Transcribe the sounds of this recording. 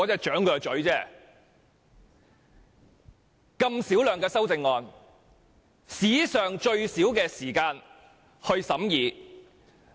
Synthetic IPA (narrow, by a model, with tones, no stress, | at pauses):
ɔː˨˧˥t͡sɛː˧˥t͡ʃœː˨˥ŋkœː˨˧t͡ʃɵ˨˥ɥt͡sɛː˥ | kɐ˧msiː˨˥wlœː˨ŋkɛː˧sɐ˥wt͡sɪ˧ŋːɔː˧n | siː˨˥sœː˨ŋt͡ʃɵ˧ɥsiː˨˥wkɛː˧siː˨˩kaː˧n | hɵ˧ɥsɐ˨˥mjiː˨˧